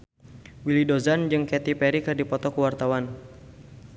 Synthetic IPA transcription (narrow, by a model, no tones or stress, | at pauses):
wilidozand͡ʒɨŋkɛt̪ipɛɾikɨrdipɔt̪ɔkəwart̪awan